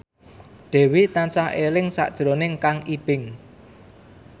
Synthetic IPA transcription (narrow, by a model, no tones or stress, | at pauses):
ɖ̥ɛ̤wit̪ansaɦelɪŋsa̰ʔd̥ʒ̥ɾonɪŋkaŋib̥ɪŋ